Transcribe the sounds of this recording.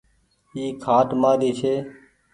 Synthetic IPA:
iːkʰaːʈmaːɾiːseː

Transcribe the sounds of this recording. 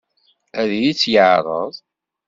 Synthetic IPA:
æðjit͡sːjəʕɾˤə̰ðˤ

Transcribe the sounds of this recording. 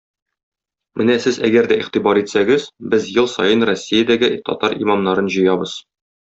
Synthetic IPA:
mɘnæsɘzæ̰ɡæɾd̪æiχt̪ibɑɾit̪sæɡɘzbɘzjɤlˠsɒjɤnrosʲːijad̪æɡɘt̪ɒ̰t̪ɑɾḭmɑmnɑɾɤnʑɤ̆jɑbɤz̥

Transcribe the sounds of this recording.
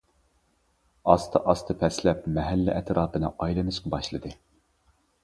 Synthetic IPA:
ɑst̪ʰɨʔɑst̪ʰɨpʰɛslɛpmɛɦælːɪ̰ʔɛt̪ʰɾʔɑːpɨnɨʔɑjlˠɨnɨʃqɑbɑʃlˠɨd̪ɨ

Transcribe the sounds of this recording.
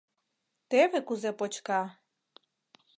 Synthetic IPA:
t̪eβekuzepot͡ɕkɑ

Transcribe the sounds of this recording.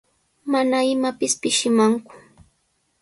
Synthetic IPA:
manaɪmapɪspɪʃɪmaŋkʊ̥

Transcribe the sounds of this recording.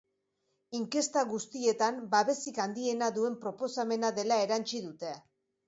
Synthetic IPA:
iŋke̞st̪aɣust̪ie̞t̪ambaβe̞sikand̪ie̞naðue̞mpɾo̞po̞same̞naðe̞lae̞ɾant͡ʃiðut̪e̞

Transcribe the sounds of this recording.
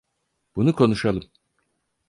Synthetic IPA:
b̥unukʰo̞nuʃalˠɯm

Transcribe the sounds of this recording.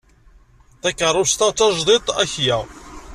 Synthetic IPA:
θækːəɾˤʊst̪ɑt͡sːɑʒd̪ˤit̪ˤæ̰çjæ

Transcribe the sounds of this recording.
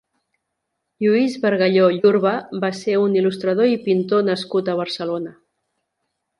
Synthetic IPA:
ʎuizβəɾɣəʎoʎuɾβəbaseunilust̪ɾəð̞oipint̪onəskut̪əβ̞əɾsəlonə

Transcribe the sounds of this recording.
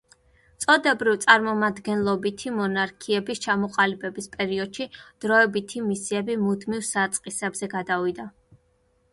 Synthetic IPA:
t̪sʼɔd̪ɛbɾivt̪sʼaɾmɔmad̪ɡɛnlˠɔbit̪ʰimɔnaɾkʰiɛbist͡ʃʰamɔqʼalibɛbispʼɛɾiɔd̪̥ʃid̪̥ɾɔɛbit̪ʰimisiɛbimud̪mivsat̪sʼqʼisɛbzɛɡad̪avid̪a

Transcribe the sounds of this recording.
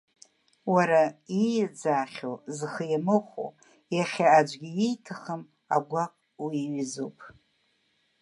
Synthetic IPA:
waɾaijd͡zaːχʲozχəjamɨχʷo̰ | jaχʲaːd͡ʒʷɡʲijejtʰɨχəm | a̰ɡʷakʷʼ | wiɥzopʼ

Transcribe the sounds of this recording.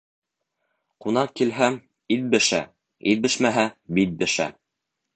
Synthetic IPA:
qunɑqkːilɦæm | it̪̚bɘ̆ʃæ̰ | it̪̚bɘ̆ʃmæɦæbit̪̚bɘ̆ʃæ̰

